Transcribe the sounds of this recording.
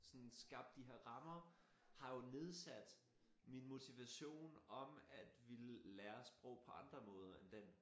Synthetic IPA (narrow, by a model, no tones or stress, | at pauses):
sɒ̽nsɡ̥ɑ̈b̥̚d̥iɦeɐ̰ʁɑ̈mɐ | hɑ̈jo̝ne̝ð̞ˠsæd̥ | minmo̝t͡sʰiʋæɕo̝̰ːnɒ̽mæd̥ʋiləlæːɐsb̥ʁɔʊ̰pʰɒ̽ɑ̈nd̥ʁɐmɔ̽ːð̞ˠɐend̥en